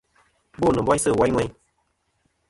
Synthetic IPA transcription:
bo˦˨nɨ̃˨bɔ˦jsɨ˦˨wa˦ŋʷɛ˧j

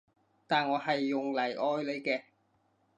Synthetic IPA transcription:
t̪aː˨nŋɔː˨˧ɦɐ˨jːʊ˨ŋlɐ˨˩jʔɔː˧jle˨˧jkɛː˧

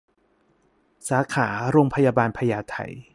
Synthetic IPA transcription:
saː˩˦kʰaː˩˦ɾoː˧ŋpʰa˧jaː˧baː˧npʰa˧jaː˧t̪ʰa̰˨˩j

